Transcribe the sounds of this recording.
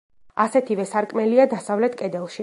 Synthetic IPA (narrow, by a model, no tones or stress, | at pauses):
asɛt̪ʰivɛsaɾkʼmɛliad̪asavlɛt̪ʰkʼɛd̪ɛlˠʃi